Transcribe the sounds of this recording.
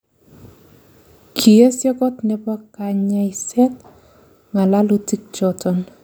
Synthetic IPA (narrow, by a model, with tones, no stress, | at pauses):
kʰi˨e˦sjɛ˦kɔ˦tnɛ˨pa˦ka˨ɲa˨isɛ˦t̚ | ŋa˨la˦lu˦ti˦k̚t͡ʃɔtɔ˨n